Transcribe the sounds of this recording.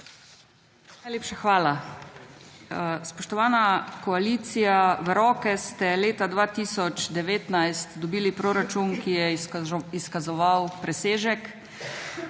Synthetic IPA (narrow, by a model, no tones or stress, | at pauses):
najleːpʃaxʋaːla | spɔʃt̪ɔʋaːnakɔaliːt̪sijaʋəɾɔːkɛst̪ɛleːt̪ad̪ʋaːt̪iːsɔt͡ʃd̪ɛʋeːt̪najst̪d̪ɔbiːlipɾoːɾat͡ʃunkijɛiskazɔʋawpɾɛseːʒɛk